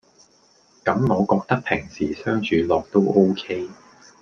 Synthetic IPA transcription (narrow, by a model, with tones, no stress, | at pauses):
kɐ˨˥mŋɔː˨˧kɔː˧k̚t̪ɐ˥k̚pʰɪ˨˩ŋsiː˨˩sœː˥ŋt͡ʃʰyː˨˧lɔː˨˧k̚t̪o˥wʔo˥wkʰe˥j